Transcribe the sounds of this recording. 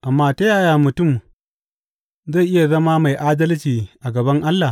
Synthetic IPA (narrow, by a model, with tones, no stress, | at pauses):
ʔa˨mːaː˦ta˦jaː˦˨jaː˨mʊ˨tʊ˦˨m | za˦˨jʔɪ˦ja˨zɐ˦maː˦ma˨jʔaː˦dɐ˦lt͡ʃiː˨ʔa˨ɡɐ˨bɐ˦ŋʔa˦lːa˨